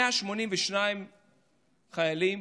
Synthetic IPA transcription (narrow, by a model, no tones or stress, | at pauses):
aʃmo̞nimveʃnaim | χajalim